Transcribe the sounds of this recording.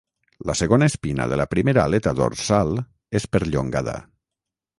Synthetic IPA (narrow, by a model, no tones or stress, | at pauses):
ləsəɣonaespina̰ðəlapɾimeɾaːlet̪aðo̰ɾsalˠ | espəɾʎoŋɡaða̰